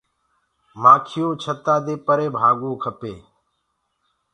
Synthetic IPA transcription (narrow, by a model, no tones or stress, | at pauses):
maːkʰɪjõːt͡ʃʰət̪aːd̪eːpəɾeːbʱaːɡõːkʰəpeː